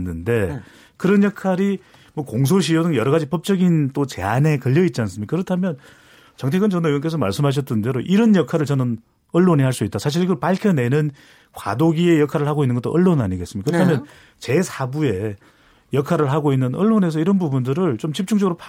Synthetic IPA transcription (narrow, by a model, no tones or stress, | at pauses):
nːɯnde̞ | kɯɾʌnjʌkʰaɾi | mwʌkoŋs̬ʰoɕʰijodɯŋjʌɾʌɣad͡ʑipʌp̚t͡ɕ͈ʌɡint͈ot͡ɕe̞̰ane̞kʌʎːʌit̚t͡ɕ͈ians̬͈ɯmɲikakɯɾʌtʰamjʌn | t͡ɕʌŋtʰeɡɯnt͡ɕʌnʌiʌnk̬e̞s̬ʰʌma̰ɭs͈ɯmɦaɕ̬ʰʌt͈ɯndeɾoʔiɾʌnjʌkʰaɾɯɭt͡ɕʌnɯn | ʌɭːoɲiɦaɭs͈uit͈̚asʰaɕ̬ʰiɾiɡʌɭpaɭkʰjʌne̞nɯn | kwa̰doɡie̞jʌkʰaɾɯɭhaɡoinːɯnŋɡʌt͈o̰ʔʌɭːonaɲiɡesɯmikɯɾʌtʰamjʌn | t͡ɕe̞sʰabue̞ | jʌkʰaɾɯɭɦaɡoinːɯnʌɭːone̞s̬ʰʌiɾʌnbubundɯɾɯɭt͡ɕomt͡ɕip̚t͡ɕ͈uŋd͡ʑʌɡɯɾopʰ